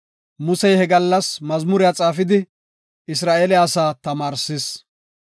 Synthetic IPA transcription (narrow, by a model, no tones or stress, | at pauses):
mʊsɛjhɛɡɐlːɐsmɐzmʊɾɪjaːt͡sʼaːfɪd̪ɪ | ɪs̬ɾaːʔelɛaːsaːt̪ɐmaːɾsɪs